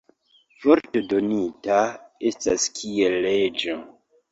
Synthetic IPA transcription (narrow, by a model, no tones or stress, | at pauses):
foɾtedonitaestaskʰielːed͡ʒo